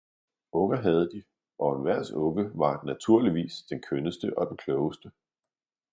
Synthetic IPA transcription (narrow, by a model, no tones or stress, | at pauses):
ɔ̽ŋɐɦæð̞̩ˠəd̥i | ʔɒ̽enʋæɐ̰sɔ̽ɡəʋɑ̈næt͡sʰuɐ̰liʋḭːsd̥enkʰønəsd̥əʔɒ̽d̥enkʰlɔʊəsd̥ə